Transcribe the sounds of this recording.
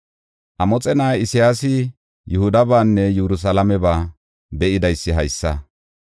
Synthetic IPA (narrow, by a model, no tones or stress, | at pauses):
ʔɐmɔt͡sʼɛnaːɪsɪjaːsɪ | jʊhʊd̪ɐbaːnːɛjɛɾʊs̬ɐlɐmɛbaː | bɛʔɪd̪ɐjsːɪɦɐjsːɐ